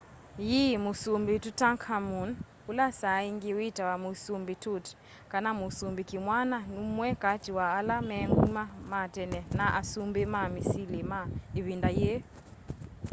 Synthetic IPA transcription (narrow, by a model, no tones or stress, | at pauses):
jimusumbitutaŋkʰamun | ulasaiŋɡiwitawamusumbitut | kanamusumbikimwananumwɛkatiwaːlamɛŋɡumamatɛnɛnaʔasumbimamisilimaiβindaje